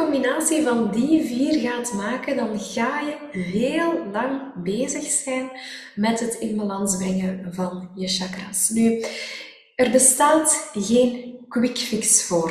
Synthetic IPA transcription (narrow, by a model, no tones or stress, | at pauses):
ɔmbinaːsivɑndiviːrɣaːtmaːkədɑnɣaːjə | veːlˠlɑŋbeːzəxsɛjn | mɛtɦətɪnməlɑnzbrɛŋəvɑnjəʃɑkra̰sny | ərbəstaːtɣeːnkwɪkfiksfoːr